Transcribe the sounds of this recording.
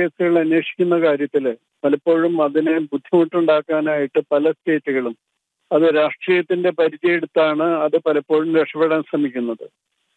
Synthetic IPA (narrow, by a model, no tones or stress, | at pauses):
eːsuɣɐɭɐnweːʂi̥kʲːunːɐkaːɾjɐt̪ːil | pɐlɐpːo̞ːɻumɐðinebud̪ʱːjɐmuʈːuɳɖaːkːaːnaːjiʈːɨpɐlɐste̞ːtːuɣɐɭum | ɐðɨɾaːʂʈriːjɐt̪ːinde̞pɐɾit͡ɕːɐjeɽut̪ːaːɳɨɐðɨpɐlɐpːo̞ːɻumɾeʂɐʋeɽamsrɐmikʲːunːɐðɨ